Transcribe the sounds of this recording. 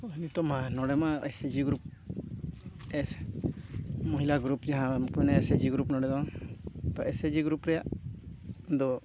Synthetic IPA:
ɔnit̪ɔmanɔɽɛmaesed͡ʒiɡɾup̚ | ɛ | mɔɦilaɡɾupd͡ʒaɦãmkmɛnɛɛsed͡ʒiɡɾupnɔɽɛd̪ɔ | t̪ɔɛsed͡ʒiɡɾupɾɛjaʔ | d̪ɔ

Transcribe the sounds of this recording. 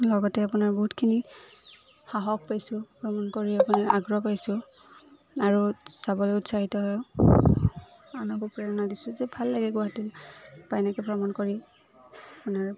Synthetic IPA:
lɔɡɔtɛapunaɹbɔɦutkʰini | xaɦɔk̚pajsʊ̃pɹɔmankoɹiapunaɹaɡɹɔpajsʊ̃ | aɹusabɔlɔʊtsaɦitɔɦɔjɔ | anɔkupɹɛɹnadisʊ̃zɛbʱalːaɡɛɡʊaatilpajnakɛpɹɔmankoɹi | apʊnaɹ

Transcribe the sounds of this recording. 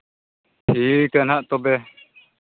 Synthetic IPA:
hʰiːkənɦaʔt̪ɔbɛ

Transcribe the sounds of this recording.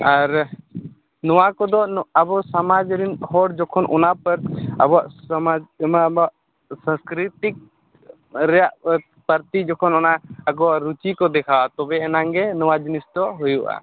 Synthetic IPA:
aɾ | nɔwakɔd̪ɔabɔsamad͡ʒɾinhɔɽd͡ʒɔkʰɔnʔɔnapəɾa̰bɔaʔamad͡ʒmabaʔ | sãskɾit̪ik̚ | ɾɛjaʔ | pəɾt̪id͡ʒɔkʰɔnɔnaaɡɔɾut͡ʃikɔd̪ɛkʰawat̪ɔbɛɛnaŋɡɛnɔwad͡ʒinisd̪ɔɦujuʔa̰

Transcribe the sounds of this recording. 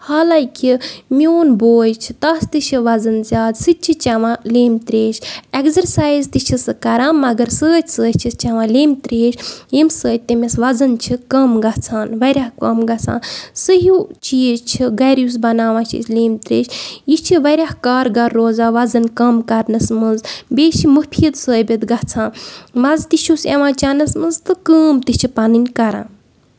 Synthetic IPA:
haːlaːkʲimioːnboːjt͡ʃʰi̥t̪ɐst̪ɨt͡ʃʰiʋɐzɐnzʲaːd̪sɨt͡ʃʰit͡ʃaʋãleːmt̪ɾeːʃekzɐɾsaːjzt̪ɨt͡ʃʰisɨkɐɾaːmːɐɡɐɾsəːtʰʲsəːt͡ʃʰist͡ʃaʋãleːmt̪ɾeːʃʲjimsəːt̚ʲt̪ɐmʲisʋɐzɐnt͡ʃʰikɐmɡɐt͡sʰaːnʋɐɾʲaɦkɐmɡɐt͡sʰa̰ːnsəɦut͡ʃit͡ʃʰiɡɐɾjus̬bɐnaːʋãːt͡ʃʰḭslʲeːmt̪ɾḛːʃjit͡ʃʰiʋɐɾʲahkaːɾɡɐɾːoːzaːʋɐzɐnkɐmkɐɾnɐsmɨnzbʲeːʃimɨpʰjid̪səːbʲit̪ɡɐt͡sʰãːnmɐzt̪iʃʰusḛ̃ʋãːt͡ʃanɐsmɨnzt̪ɨkəːmt̪it͡ʃʰipɐnɨnʲkɐɾã̰ːn

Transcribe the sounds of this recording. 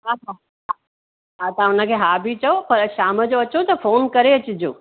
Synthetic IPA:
ɦaːɦaː | ɦa | ɦaːt̪ãʊnə̆kʰeːɦaːbʱit͡ɕɐopɐɾʃaːməd͡ʑoɐt͡ɕot̪ɐfoːnkɐɾeɐt͡ɕɪd͡ʑo̰ː

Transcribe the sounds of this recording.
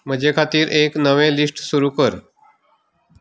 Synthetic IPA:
m̤əd͡ʑʱekʰat̪iːɾʔeknəʋẽlisʈsuɾuːkəɾ

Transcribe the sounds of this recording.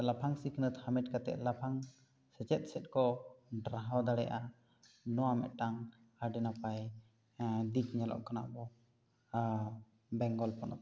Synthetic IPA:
lapʰaŋsikʰənət̪hamɛt̪̚kat̪ɛ̰ʔ̪lapʰaŋ | sɛt͡ʃɛt̪̚sɛt̪̚ˀkɔɖɾaɦɔd̪aɽɛ̰ʔa | nɔwamɛ̰ʔ̪ʈaŋ | haɖɛnapaj | d̪it̪̚ɲalɔ̰ʔkana̰bɔ | bɛŋɡɔlpɔnɔ̰t̪̚

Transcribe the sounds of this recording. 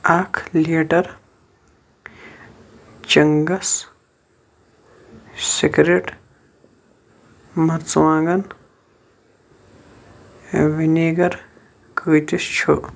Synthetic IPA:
aːkʰleːʈɐɾ | t͡ʃɐŋɡɐs | sikɾeʈ | mɐɾt͡swãːɡɐn | winiːɡɐɾ | kəːt̪ist͡ʃʰo̰

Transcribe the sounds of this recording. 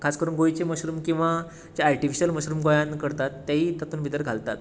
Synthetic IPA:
kʰaskəɾuːnɡojt͡ɕeməɕɾuːmkĩw̃ʋa | d͡ʑeaɾʈifiɕəlməɕɾuːmɡojãnkəɾt̪at̪ːjaɦiːt̪at̪uːnʋit̪əɾɡʱalt̪at̪

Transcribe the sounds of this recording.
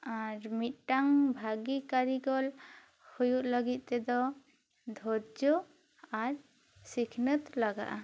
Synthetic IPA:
aɾmit̪̚ʈaŋbʱaɡikaɾiɡɔl | hujuʔləɡit̪̚ˀt̪ɛd̪ɔ | d̪ʱɔɾd͡ʒɔ | aɾ | sikʰnət̪laɡa̰ʔa

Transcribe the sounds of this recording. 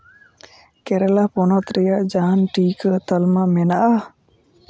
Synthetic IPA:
kɛɾɛlapɔnɔt̪ɾɛjaʔd͡ʒaːnʈiːkət̪əlmamɛnaʔa

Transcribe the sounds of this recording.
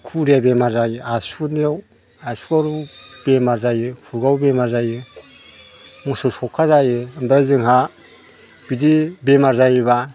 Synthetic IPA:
kʰuɾabemaɾzajɯasuneaw | asuaɾub̥emaɾzajɯkʰuɡawbemaɾzajɯ | mɔsɔsɔkʰːazajɯɯnbɾazɯŋɦa | b̥idibemaɾzajβa

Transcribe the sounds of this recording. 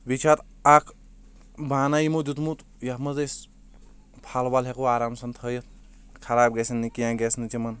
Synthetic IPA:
bit͡ʃʰat̪ | akʰ | baːnajimud̪ut̪mut̪ | jɐhmɐzes | pʰalbalɦekoaːɾaːmsɐnt̪ʰəjɐt̪ | kʰɐɾaːbɡesinːikijãːɡesnɨt͡ʃimɐn

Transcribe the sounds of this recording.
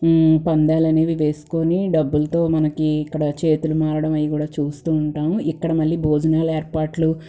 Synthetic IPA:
pɐnd̪aːlɐneːʋiʋe̞ːsu̥ko̞ːniɖɐbːulɐt̪o̞ːmɐnɐkiːkːɐɽɐt͡ʃe̞ːt̪ulumaːɾɐɽɐmɐjikuːɽaːt͡ʃuːst̪uːɳʈaːmuikːɐɽɐmɐɭːiːbʱo̞ːd͡ʒɐnaːlɐeːɾpaːɾʈlu

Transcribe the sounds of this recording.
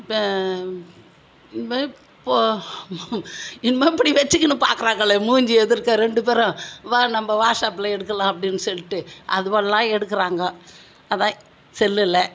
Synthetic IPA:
pː | pːoː | ɪnmɐɪpːɐɽiʋɐt͡ʃːɯkːɯnɯpa̰ːɾkɯɾaːŋɡɐɭɛmuːɲd͡ʒɯɛðɯɾɯkːaːɾɛɳɖɯpeːɾɔ̃ʋaːnɐmːɐʋaːɾʂaːpːɪlɐɛɽɯkːɐlãːɐpːɐɽɪnːɯsɔlːɪʈːɯʔɐðɯʋɐɭɐlãːɛɽɯkːɯɾaːŋɡɐ | ɐðãː | sɛlːɯlːɐ

